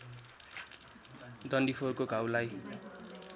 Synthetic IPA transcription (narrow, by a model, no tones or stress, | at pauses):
d̪ʌnɖipʰorkoɡʱaw̃laj